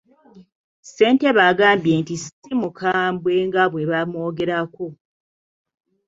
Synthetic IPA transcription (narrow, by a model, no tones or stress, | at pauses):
se̞ːnte̞βaɡaːmbje̞ːntisimukʰaːmbwe̞ŋɡaβweβamo̞ːɡe̞ɾako